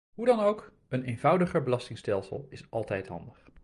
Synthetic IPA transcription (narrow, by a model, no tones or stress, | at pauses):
ɦudɑnowk | ənejnvʌwdəχəɹbəlɑstɪŋstɛlˠsə̰lˠɪsɑlˠtɛjtɦɑ̰ndəχ